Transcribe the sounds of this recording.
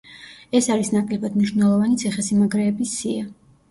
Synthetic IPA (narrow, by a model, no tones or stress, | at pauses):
ɛsaɾisnakʼlɛbad̪mniʃvnɛlˠɔvanit̪sʰiχɛsimaɡɾɛːbisia